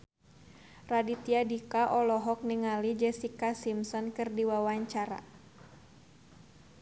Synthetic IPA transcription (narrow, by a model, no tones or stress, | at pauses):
radit̪iadikaʔɔlɔɦɔk̚niŋalid͡ʒɛsikasimsɔnkɨrdiwawaɲt͡ʃaɾa̰